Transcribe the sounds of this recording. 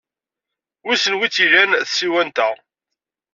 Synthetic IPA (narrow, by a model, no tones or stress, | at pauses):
wisənwit͡sːiʝænθsiwænt̪æ